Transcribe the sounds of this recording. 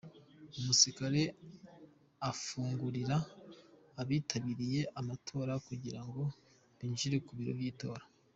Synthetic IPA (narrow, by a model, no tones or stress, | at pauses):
umusikaɾe̞ | afuːŋɡuɾiɾaː | βiːtʰaβiɾije̞ʔamatʰo̞ːɾakuɟiɾaŋɡo̞ | βinʒiɾekuβiɾo̞̰vjiːto̞ːɾa